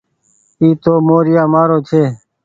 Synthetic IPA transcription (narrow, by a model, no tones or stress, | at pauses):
iːt̪oːmoːɾɪjaːmaːɾoːt͡ʃʰeː